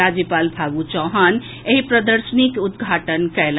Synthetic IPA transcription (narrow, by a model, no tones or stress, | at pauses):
ad͡ʒjəpalbʱaɡut͡ʃɔɦən | eɦipɾəd̪əɾsənikut̪ɡʱaʈənkɛl